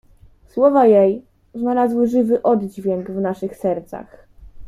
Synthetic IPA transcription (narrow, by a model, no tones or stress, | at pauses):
swɔvajej | znalazwɘʐɘvɘʔɔd̪d͡ʑvʲjɛŋɡvnaʂɘxsɛɾt̪sa̰x